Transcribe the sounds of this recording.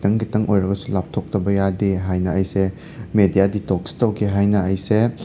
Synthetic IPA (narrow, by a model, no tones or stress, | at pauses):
tɐŋkitʰɐŋʔojɾɐɡɐsulap̚tʰok̚tɐbɐjadeɦajnɐːjse | medijaditoksi̥tɐwkʰeɦajnɐːjse